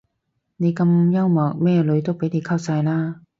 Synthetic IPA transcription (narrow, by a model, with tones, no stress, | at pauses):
ne˨˧jkɐ˧mjɐ˥wmɔː˨˩k̚mɛː˥lɵ˨˥ɥt̪o˥wpe˨˥jne˨˧jkʰa˥˩w̚saː˧jlaː˥